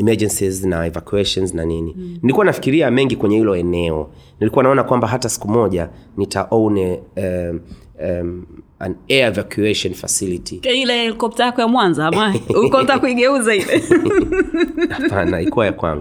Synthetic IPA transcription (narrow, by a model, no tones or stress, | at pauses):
ɛmɛd͡ʒɛnsiznaɛvakjuɛʃɔnznanininilikuwanafi̥kiɾiamɛŋɡikwɛɲɛhilɔɛnɛɔ | nilikuwanaɔnakwambaɦatasi̥kumɔʄanitaʔɔwnɛ | a̰nɛaɛvakjuɛʃɔnfa̰silitiilɛhɛlikɔp̚tajakɔjamwanzaːmaɛukɔntakuiɠɛuzaiɗɛ | apanalikuwajakwa̰ŋɡu